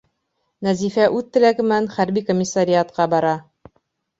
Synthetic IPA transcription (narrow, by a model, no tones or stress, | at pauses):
næzifæʔʉðt̪ːɘ̆læɡɘ̆mænχæɾbikomʲːɪsːaɾʲɪat̪̚qɑbɑɾɑ